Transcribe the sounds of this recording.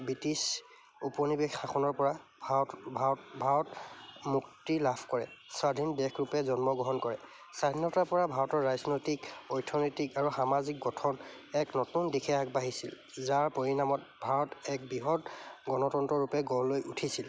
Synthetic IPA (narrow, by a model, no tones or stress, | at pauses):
bitis | upɔnibexxaxʰɔnɔɹpɔɹa | bʱbʱaɹɔtmuktilapʰkɔɹɛ̰sadʱindɛkʰɹupɛzɔnmɔɡɹɔɦɔnkɔɹɛ | sadʱinɔtapɔɹabʱaɹɔtɔɹɹaznojtikɔjtʰɔnojtikaɹuxamazik̚ɡɔtʰɔn | ɛknɔtundikʰɛak̚baɦisḭl | zaɹpoɹinamɔt | bʱaɹɔtɛk̚biɦɔtɡɔnɔtɔntɔɹupɛɡɔllːojʔutʰisil